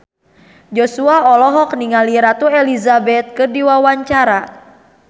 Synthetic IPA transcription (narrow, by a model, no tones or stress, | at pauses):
d͡ʒɔsuaɔlɔɦɔk̚niŋaliɾat̪uɛlizabɛt̪̚kɨrdiwawaɲt͡ʃaɾa